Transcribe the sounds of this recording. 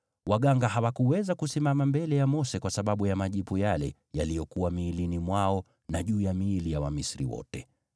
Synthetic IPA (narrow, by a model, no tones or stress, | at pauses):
waɠaŋɡaɦawakuwɛzakusimamambɛlɛjamɔsɛkwasaɓaɓujamaʄipujalɛ | jalijɔkuwamiːlinimwaɔ | naʄuːjamiːlijawamisɾḭwɔ̰tɛ